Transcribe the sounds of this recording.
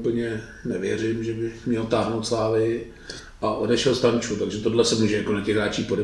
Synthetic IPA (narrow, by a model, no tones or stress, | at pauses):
pl̩ɲɛ | nɛvjɛr̝ɪmʒɛbɪmɲɛlt̪aːɦnowt̪slaːvɪ | ʔaʔo̞dɛʃɛlst̪ant͡ʃut̪aɡʒɛt̪o̞dlɛsɛmuːʒɛjakonatcɛɣɾaːt͡ʃiːpodɛ